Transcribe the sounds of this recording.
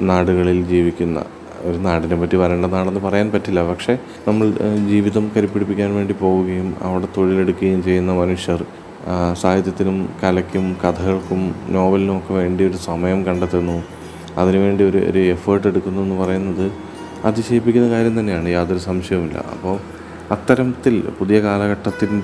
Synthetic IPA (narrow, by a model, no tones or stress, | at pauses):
naːɽuɣɐɭild͡ʑiːʋikʲːunːɐ̰ | oɾunaːɽinepːɐtːiʋɐɾɐːɳɖɐnaːɽenːɨpɐrɐjaːnpɐtːilːɐpɐkʂe̞ | nɐmːɐɭd͡ʑiːʋiðɐmkɐɾipːiɽipːikʲːaːnʋe̞ːɳɖipo̞ːɣuɣɐjumɐ̰ʋiɽe̞t̪o̞ɻile̞ɽukːuɣɐjumt͡ɕe̞jːunːɐmɐnuʂjɐr | saːɦɐt̪jɐt̪ːilumkɐlɐkʲːumkɐd̪ʰɐɣɐɭkumno̞ːbɐlinumokːe̞ʋe̞ːɳɖio̞ɾusɐmɐjɐmkɐɳɖet̪ːunːu | ɐ̰ðinɨʋe̞ːɳɖioɾuo̰ɾuefɐrʈe̞ɽukːunːuenːɨpɐrɐjunːɐðɨ | ɐd̪iɕeːpːikʲːunːɐkaːɾjɐmt̪ɐnːejaːɳɨjaːðo̞ɾusɐmɕɐjɐmilːɐ̰ɐ̰pːoː | ɐt̪ːɐɾɐmt̪ːilpuðijɐkaːlɐɣɐʈːɐt̪ːin